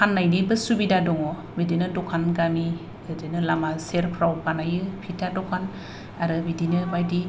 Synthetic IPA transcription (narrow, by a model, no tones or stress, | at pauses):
kʰanːajdibɯsubidadɔŋɔ | bidinɯdɔkʰanɡami | ɯdinɯlamaseɾpʰɾawpanajɯpʰitʰadɔkʰan | aɾɯbidinɯbajdi